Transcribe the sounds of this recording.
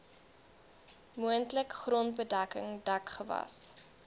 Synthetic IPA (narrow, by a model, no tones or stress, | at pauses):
muəntləkχrɔntbədækə̰ŋdɐkχəvɐ̰s